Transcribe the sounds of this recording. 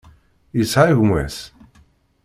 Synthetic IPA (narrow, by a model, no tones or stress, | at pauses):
jəsʕaʝmwæ̰s